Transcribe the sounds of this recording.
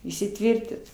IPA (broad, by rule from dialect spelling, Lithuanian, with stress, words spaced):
iːsʲɪˈtʲʋʲɪrʲtʲɪt